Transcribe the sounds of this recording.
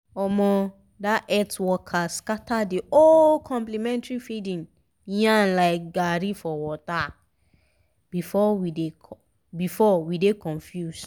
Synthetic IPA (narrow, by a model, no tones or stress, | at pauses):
ɔmɔ̃ | daʔɛtwɔkʰaskatadiolkʰɔ̃mplimɛ̃ntɹifidĩn | jãnlaɪk̚ɡaɾifɔwɔta | b̥ifɔwide | bifɔwidekɔ̃nfjus